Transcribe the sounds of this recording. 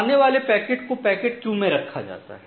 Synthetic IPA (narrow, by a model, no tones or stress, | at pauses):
neʋaːlepɛːkeːʈkopɛːkeːʈ̚t͡ʃũːmẽɾɐkʰːa̰d͡ʒa̰ːt̪a̰ɦɛ